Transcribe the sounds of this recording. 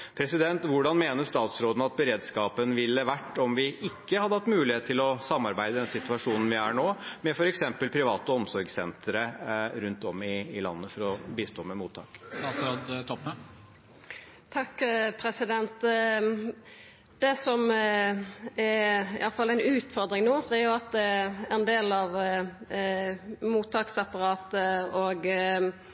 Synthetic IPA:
pʰɾɛsɪd̪ɛnt̪ʋʊɖɑnmeːnəʂt̪ɑːt̪sɾoːd̪n̩ɑt̪̚bəɾeːd̪skɑːpənʋɪlːəʋæʈːɔmʋɪʔɪkːəhɑd̪ːəhɑt̪ːmʉːlɪheːt̪ʰːɪlɔsɑmːɑɾbæɪd̪əd̪ɛnsɪt̪ʉɑʂuːnn̩ʋɪæːɳoːmɛfɔɾɛksɛmpəlpʰɾɪʋɑːt̪əɔmsɔɾɡsɛnt̪əɾəɾʉnt̪ɔmːɪːlɑ̰nːəfɔɾɔbiːst̪ʰoːmɛmuːt̪ʰːɑ̰ːkst̪ɑːt̪sɾoːd̪t̪ʰɔpːə | t̪ʰɑkːpʰɾɛsɪd̪ɛnt̪ | d̪̥ɛsɔm | æɾɪʔɑlfɑlːæɪnʉːt̪fɔɾd̪ɾɪŋnuːd̪ɛæɾjʊɑt̪̚d̪ɛænd̪eːlɑʋ | muːt̪ʰːɑːksɑpɑɾɑːt̪əoːɡ

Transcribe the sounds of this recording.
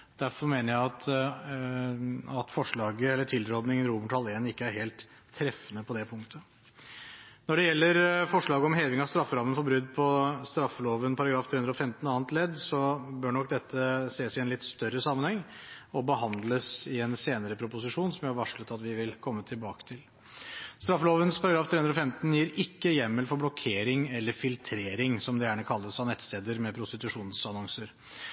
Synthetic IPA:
d̪̥æɾfɔɾmeːnəɾjæɪɑt̪ | ɑt̪fɔʂɭɑːɡəɛlːəʈʰɪlɾɔd̪nɪŋənɾuːməʈhɑleːnɪkːəæɾheːlt̪ʰː | ɾɛfənəpʰɔd̪ɛpʰʊŋkt̪ʰə | nɔɖɛjɛlːəɾfɔʂɭɑːɡəɔmɦeːʋɪŋɑʋst̪ɾɑfːəɾɑmənfɔɾbɾʉd̪ːpʰɔst̪ɾɑfːəloːʋənpʰɑɾɑɡɾɑːft̪ʰɾeːʉnd̪ɾɔfɛmt̪n̩ɑːənt̪lɛd̪ːsɔbøːɳɔk̚d̪ɛt̪ːəseːsɪɛnlɪt̪ːst̪œɾəsɑmənhɛŋːɔbəɦɑnd̪ləsɪɛnseːnəɾəpʰɾʊpʊs̬ɪʂuːnsɔmjhɾʋɑʂklət̪ɑt̪ʋɪʋɪlkʰɔmːət̪ʰɪlbɑːkə̥t̪ʰɪl | st̪ɾɑfːəloːʋənspʰɑɾɑɡɾɑːft̪ɾeːʉnɾɔfɛmt̪njiːɾɪkːəjɛmːəlfɔɾblɔkʰeːɾɪŋɛlːəɾfɪlt̪ʰɾeːɾɪŋsɔmd̪ɛjæːɳəkʰɑlːəsɑnɛt̪ːst̪eːd̪əɾmɛpʰɾʊst̪ɪt̪ʉʂuːnnsɑnɔŋsəɾ

